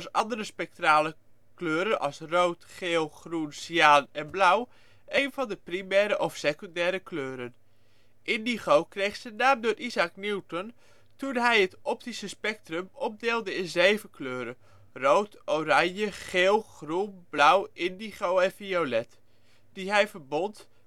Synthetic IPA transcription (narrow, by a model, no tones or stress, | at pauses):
sɑ̰ndərəspɛk̚traːlə | kløːɾənʔɑ̰lˠsrowtχeːlˠχrunsiaːnɛnblʌw | ʔejnvɑndəprimɛːɾəʔɔfsekøndɛːɾəkløːɾən | ʔɪndiχowkrejχsənaːmdʊːrʔizakniwtɔn | tunɦɛjətɔp̚tisəspɛk̚trəmɔp̚deːlˠdəɪnzejvənkløːɾən | rowtowrɑɲjəχeːlˠχrunblʌwɪndiχowɛnfiolɛt | d̥iɦɛjvəɹbɔnt